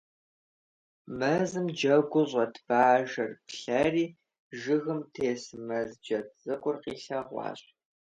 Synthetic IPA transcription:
mɐzɨmd͡ʒɐɡʷʊɕʼɐtʰb̥aːʒɐrpɬɐriː | ʒɨɣɨmtʰeːsmɐzd͡ʒɐt͡st͡sʼɐkʷʼʊrqiːɬɐʁʷɑ̰ːɕʼ

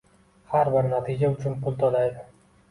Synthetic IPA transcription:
haɾbɪɾnat̪ʰid͡ʒaʊt͡ʃʰʊnpʰʊlˠt̪ʰolajd̪ɪ

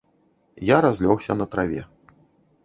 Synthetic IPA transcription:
jaɾazʲlʲɔxsʲɐnɐt̪ɾavʲɛ̰

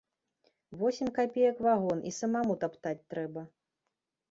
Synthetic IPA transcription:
vɔsʲimʲkapʲejɐkvaɣɔnʔisɐmamut̪apt̪at͡sʲt̪ɾɛbɐ

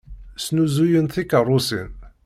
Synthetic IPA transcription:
snuzujənθikərˤːʊsin

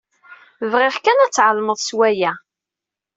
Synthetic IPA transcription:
vʁɪʁkænæt͡sːʕəlməðˤswæjæ

